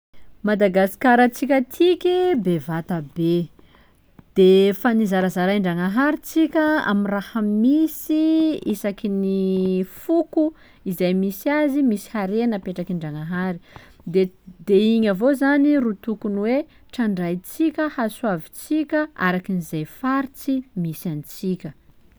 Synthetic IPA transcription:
mad̪aɡasi̥kaɾət͡sikʲət̪ʰikʲibevat̪əbe | d̪̥efanizaɾazaɾaɳɖ͡ʐaŋaɦaɾit͡sikʲəa̰minrahəmisiisakinifuku | izajmisiazimisi̥haɾenəpeʈ͡ʂakiɳɖ͡ʐaŋaɦaɾi | d̪ed̪eiɲavozanirut̪ukunwe | ʈ͡ʂaɳɖ͡ʐajt͡sikʲəhaswavit͡sikʲəa̰ɾakinizajfaɾit͡simisant͡sikʲə

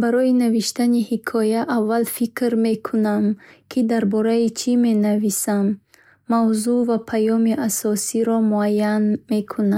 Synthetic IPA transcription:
baɾɔinaviʃt̪anihikʰɔjaʔavːalfikɾme̞kʰunamkʰid̪aɾbɔɾait͡ʃʰime̞navisamː | awzuvapʰajɔmiʔasɔsiɾɔmuajanme̞kʰuna

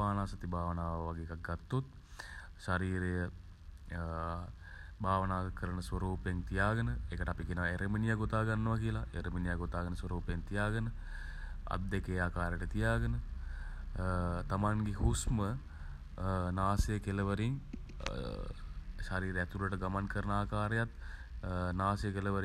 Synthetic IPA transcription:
aːnaːsat̪ibʱaːʋənaːʋəʋaɡeːkak̚ɡat̪ːot̪̚ | ʃaɾiːɾejə | bʱaːʋənaːkəɾənəsʋəɾuːpeŋt̪ijaːɡənəekəʈəapikinəʋeɾeminijaɡot̪aːɡanːəʋakiəlaḛɾeminijaɡot̪aːɡənəsʋɐɾuːpjeŋt̪ijaːɡənə | a̰d̪ːekeːaːkaːɾeʈət̪ijaːɡənə | t̪amaŋɡehusmə | naːsejəkeləʋəɾiŋ | ʃaɾiːɾeæt̪uləʈəɡamankəɾənəaːkaːɾejat̪ | naːsejəkeləʋəɾi

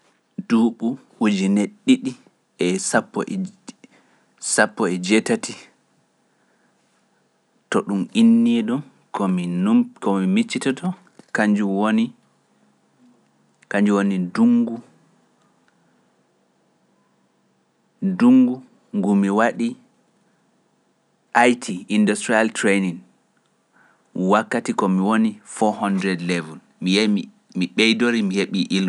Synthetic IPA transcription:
duːɓuwud͡ʒineɗːiɗi | ɛsapːɔ | sapːɔɛd͡ʒɛtati | tɔɗuminːidɔn | kɔminukɔmimit͡ʃːitatɔ | kaɲd͡ʒuwoni | kaɲd͡ʒuwoniduŋɡu | duŋɡu | ŋɡumiwaɗi | ʔajtʰiindustɾialtɾeniŋ | wakːatikɔmiwonifɔhɔndɾɛdlɛvun | mii | miɓɛjdoɾimiheɓiʔil

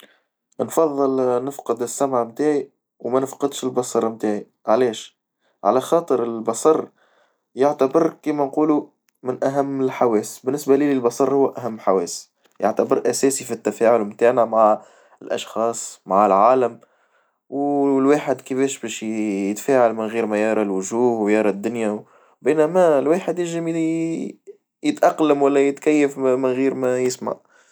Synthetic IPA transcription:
nfɑðˤːɨlnɪfqɨd̪ɪsːæmʕmt̪aːʕi | wmænɪfqɑd̪ʃɪlbɑsˤɑɾˤmt̪aːʕi | ʕalɛːʃ | ʕa̰læxɑːt̪ˤɨɾɪlbɑsˤɑrˤː | jaʕt̪abɪɾkiːmænquːlu | mɪnʔæɦæmːɪlħawɛːsbɪnːɪsbæliːlɪlbɑsˤɑɾˤhʊwːʔæɦæmːħawɛːs | ja̰ʕt̪abɪɾʔæsɛːsifit̪ːæfæːʕʊlmt̪aːʕnæmaʕ | ɪlʔɑ̰ʃxɑːsˤmaʕalʕaːləm | wlwaːħɪd̪kəfɛːʃbɛːʃjət̪fæːʕalmɪnɣiːɾmæjɑɾˤɑlwʊʒuːhwjɑɾˤɑd̪ːʊnja | biːnæmælwaːħəd̪jɪʒɪm | jɪt̪ʔɑqːləmwælːæjɪt̪kæjːəfmɪnɣiːɾmæjɪsma̰ʕ

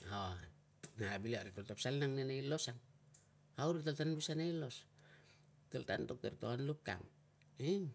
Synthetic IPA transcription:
o | nabiliaɾitoltapsalnaŋnenailo̞saŋ | awɾitaltanbisanailo̞s | talta̰ntok̚teɾtoanlup̚ka̰ŋ | i

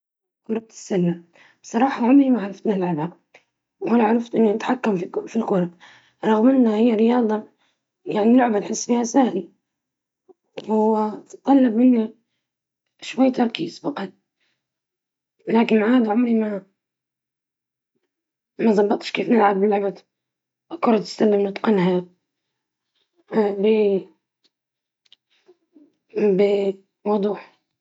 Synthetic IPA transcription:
kʊɾˤɑt̪ɪ̥sːalːa | sˤɑɾˤɑːħɑʕʊmɾimaʕɾˤɑft̪nɪlʕaba | whalaʕaɾˤɑft̪ʔɪnːinɪt̪ħakːamfilkʊɾˤɑ | ɾˤɑɣmɪnːahɪjːaɾɪjɑːd̪ˤɑ | jaʕnilʊʕbanħɪsːfiːhasahli | wt̪t̪ˤːɑlːɑbmɪnːi | ʃwajːt̪ɑɾˤkḭːzbɑqɑt̪̚ | laːkɪnmaʕaːd̪ʕʊmɾima | mazˤɑbːɑt̪ˤʃkeːfnɪlʕabɪlʕba | akʊɾˤɑt̪ɪ̥st̪alːɪmnɨt̪ˤqɪnha | bɪ | bɪ | mʊwd̪ˤuːħ

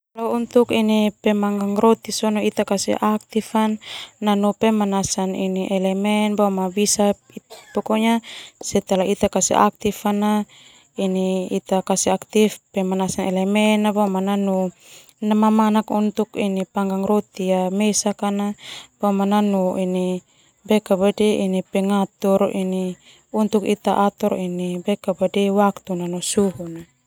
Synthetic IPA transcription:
lount̪ukinipɛmaŋɡaŋɾot̪isonoit̪akasḭʔak̚t̪ifanːanupemanasaniniʔɛlɛmɛnbawmabisa | ipokoɲasɛt̪alaʔit̪akasḭʔa̰k̚t̪ifana | iniit̪akasiakt̪ifpɛmanasanɛlɛmɛnabamananu | namamanakṵnt̪ukinipaŋɡaŋɾot̪iamɛsakanab̥amananuʔini | bɛkabadɛʔinipɛŋat̪ɔɾini | unt̪ukḭt̪aʔat̪ɔɾinibɛkabadɛwakt̪unanɔsuɦuna

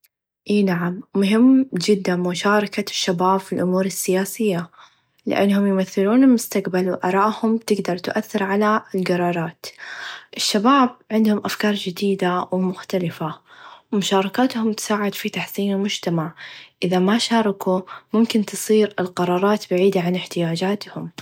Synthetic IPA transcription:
ʔeːnaʕamːʊɦɪmːd͡ʒɪd̪ːamʊʃɑːɾˤɑkaʃːabaːbfɪlʔʊmuːɾɪsːɪjaːsɪjːa | lɪ̰ʔa̰nːhʊmjɪmaθːɪluːnɪlmʊst̪aqbalwʔɑ̰ɾˤɑːʔhʊmt̪ɪɡd̪ɑɾˤt̪ʔaθːɪɾʕalaɪlɡɑɾˤɑːɾˤɑːt̪ʔɪʃːabaːb̚ʕɪnd̪hʊmʔafkɑːɾˤd͡ʒɪd̪iːd̪awmʊxt̪alɪfawmʊʃɑːɾˤɑkaːt̪hʊmt̪ɪ̥saːʕɪd̪fit̪aħsiːnɪlmʊd͡ʒt̪amaʕʔɪðamaʃɑːɾˤɑkumʊmkɪnt̪ɨsˤiːɾɪlqɑɾˤɑːɾˤɑːt̪baʕiːd̪aʕanɪħt̪ɪjaːd͡ʒaːt̪hʊm

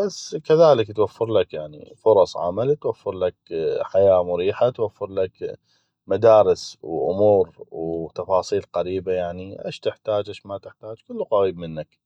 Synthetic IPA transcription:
basːkaðaːlɪkt̪wafːɪɾlakjaʕnḭfʊɾˤɑsˤʕa̰malt̪wafːɪɾlakħajaːmʊɾiːħat̪wafːɪɾlak | mad̪aːɾɪswʔʊ̰muːɾwt̪ɑfɑːsˤiːlqaɾiːbajaʕniʔḛːʃt̪ɪħt̪aːd͡ʒʔeːʃmat̪ɪħt̪aːd͡ʒkʊlːqaɾiːbmɪnːak

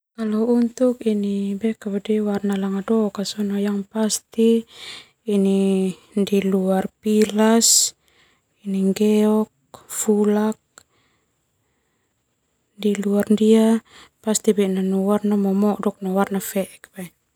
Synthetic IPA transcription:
kalɔunt̪ukinibɛkabadɛwarnalaŋadɔkasɔnɔjaŋpast̪iː | ni | ndiluarpilas | iniŋɡɛɔk̚ | fulak̚ | diluarndiapast̪ibɛnanɔwarnamɔmɔʔdɔk̚nɔwarnafɛʔɛk̚pɛ

